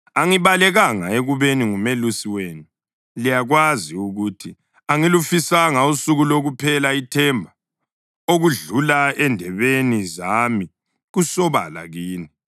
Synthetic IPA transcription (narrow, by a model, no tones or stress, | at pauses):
aŋiβalɛɣaŋa̰eɣuβeniŋumelusiwenu | lijaɣwaziuɣutʰi | aŋilufisaŋausuɣuloɣupʰɛlaitʰɛmbʱa | oɣuɮulaɛndʱɛβenizami | ɣusɔβa̰la̰ɣiːni